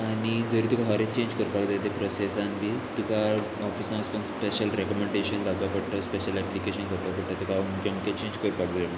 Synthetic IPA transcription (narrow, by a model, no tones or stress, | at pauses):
añid͡zəɾĩːt̪ukaɦəɾet͡ɕẽɲd͡ʑkəɾupakd͡zat̪epɾɔsesãnʋit̪uka | ɔfisãməspənspeɕəlɾekɔmeɳɖeɕənd̪akapəɽʈ̪əspeɕəlɛplikeɕənkəɽt̪apəɽʈ̪at̪ukamukẽmuket͡ɕẽɲd͡ʑkəɾupakd͡zajen